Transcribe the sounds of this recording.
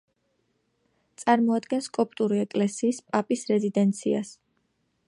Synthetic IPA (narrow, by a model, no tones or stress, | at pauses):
t̪sʼaɾmɔad̪ɡɛnskʼɔpʼt̪ʼuɾiɛkʼlɛsiːspʼapʼisɾɛzid̪ɛnt̪sʰia̰s